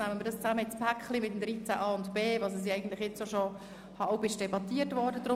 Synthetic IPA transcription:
næmənməɾdɑst͡sæməɪt͡spʰækχlimɪtːm̩dɾit͡sæʔɑːʊntb̥eːvɑsəs̬iɛɪjɡən̩t̪lɪχjɛt͡sjoʃo | hɑwbɪʃd̥ɛbɑtiətʋɔrdəd̪ɾʊ

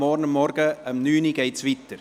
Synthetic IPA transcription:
ɔɾnəmɔrɡəəmnyːniɡɛjtsʋit̪ər

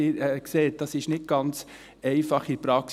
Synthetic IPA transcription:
iɾɛkseːt̚d̥ɑsɪʃnɪt̚ɡ̥ɑnt͡s | ɛɪfɑχipɾɑk

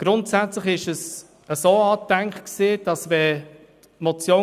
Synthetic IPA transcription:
ɡ̥ɾʊntsæt͡sləχɪʃəs | əsoːɑːtæŋkχksɪːd̥ɑsvɛ | mɔt͡sjoː

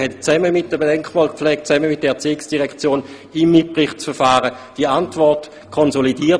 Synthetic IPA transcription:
hɛtt͡sɛməmɪt̚d̥əbedɛŋkmɔːlkpp͡flɛːk̚t̚t͡sɛməmɪt̚d̥ɛɛɐt͡siːɪksd̥iʁɛkt͡sjoːn | imːit̚pʁɪχtt͡sfəɐfaːʁəd̥iantvɔʁt | kʰɔnzolidiːɐ

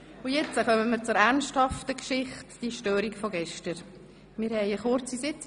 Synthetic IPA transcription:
ʊjɛt͡səkœməmiːɾt͡sʊɾæʁnʃthɑftəkʃɪχtd̥iʃtøːɾikfɔɡɛʃtəɾ | mɪːɾhɛɪəχʊɾt͡sisɪt͡s

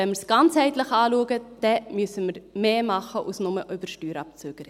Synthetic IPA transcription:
ɛnməɾsɡ̥ɑnt͡shɛɪtləχɑːluəɡəd̥ɛmʏəsəməɾmeːmɑχəʔṵsnʊməʔʏb̥əɾʃtyːɾɑp̚t͡søɡ̥əɾɪ

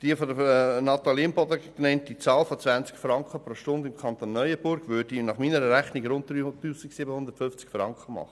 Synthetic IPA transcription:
d̥iəfɔd̪ənɑt̪ɑliəmbɔd̪əknɛnt̚d̥it͡sɑːlfɔt͡sʋænt͡skfɾɑŋkχəpɾoːʃtʊndɪmkʰɑnt̪oːnːœʏəbʊɾɡ̥ʋʏd̥inɑχmiːnəɾəɾæχniɡɾʊnt̚d̪ɾyt̪ːuːsiksɪbəhʊnd̪ətfʏft͡skfɾɑ̰ŋkχəmɑ̰χə

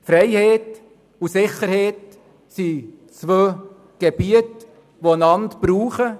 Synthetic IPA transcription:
fɾɛɪheːt | usɪχəɾheːt | si | t͡svøː | ɡ̥ebiət | ʋoənɑntb̥ɾuːχə

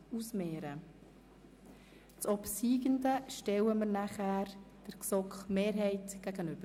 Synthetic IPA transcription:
usmeːɾə | t͡sɔpsiːɡəndəʃtɛwəməɾnæχæːɾd̥əɾksɔkχmeːɾɦɛɪtɡ̥æɡənʏb̥ə

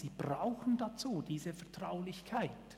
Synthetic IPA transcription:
z̥iːb̥ʁaʊxn̩dat͡suːdiːzəfɛɐtʁ̥aʊlɪçkʰaɪt

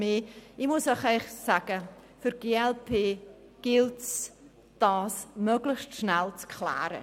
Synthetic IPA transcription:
meːɪmʊsəχɛɪχsaɡ̥əfʏɾɡ̥eːɛlpʰeː | ɡ̥ɪlts | d̥aːsmœɡlɪstʃnɛlt͡skʰla̰ːɾə̰

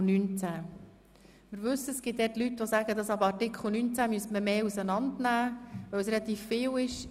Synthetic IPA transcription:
nynt͡sæ | mɪɾʋʉsːəɛsɡ̥ɪt̚d̪ɛːtlytːʋosæɡ̥əd̪ɑsɑbɑɾtɪkχl̩ˠnynt͡sæmyəstməmeːusənɑnd̪næːʋœwsrelɑt̪iːffɪːwɪʃ

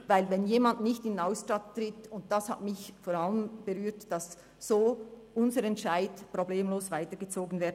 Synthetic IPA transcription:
vaɪlvɛnjeːmandnɪçtɪnaʊsʃtattʁɪtʊnt̚d̥asha̰tmɪçfoːɾaləmb̥ɛʁyːtd̥ɑsː | oːʔʊnzəɾɛntʃaɪtpʁ̥obleːmloːsv̥aɪtəɡ̥ət͡soːɡən̩vɛːɐdn

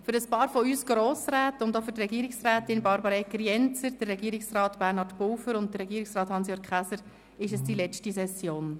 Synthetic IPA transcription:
fʏɾəspɑːɾfɔyːsɡ̥ɾoːsɾæːtʊndofʏɾtɾɛɡiːɾɪksræːtɪnbɑɾbəɾeɡriɛnt͡səɾd̥əɾːɛɡiːɾɪksrɑːtb̥ærnhɑtpʊwfəɾʊnt̚dəɾːɛɡiəɾɪksɾɑːthɑnsjɔkχæsəɾ | ɪʃəsd̥ilɛt͡ʃtisɛsjoːn

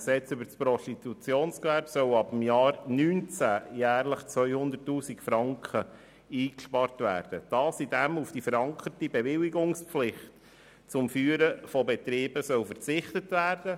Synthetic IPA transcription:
sɛt͡sybəɾspɾɔstit̪ut͡sjoːnskʋæɾbsœwɑbəmjɑːɾnyːnt͡sæjæːɾləχt͡sʋœʏhʊnd̪ətːuːsikfɾɑŋkχə | iːkʃpɑɾtʋæ̰ːrd̥əd̥ɑːsid̥æmufd̥ifəɾɑŋkʰərtibɛʋɪliɡʊŋspflɪχt | t͡sʊmfyːəɾəfɔbɛt̪ɾiːb̥əsœwfəɾt͡sɪχtətʋæːɾd̥ə

